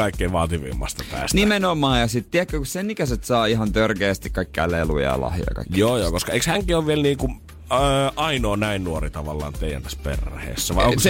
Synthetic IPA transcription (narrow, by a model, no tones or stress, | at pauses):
ɑikːeʋɑːt̪iʋḭmːɑ̰st̪ɑpæ̰ːsnimenomɑːjɑsit̪t̪iækːøkussenikæset̪sɑːiɦɑnt̪ørkeːst̪ikkɑikːæ̰lelṵjɑ̰jɑ̰lɑ̰hjo̰jɑ̰kɑ̰ikːjoːjoːkoskɑeˑikshæŋkioʋʋielniːŋku | ɑinoːnæinnuorit̪ɑʋɑlːɑ̰ːnt̪eijæ̰nt̪ːɑspḛrhḛːsːæʋɑioŋks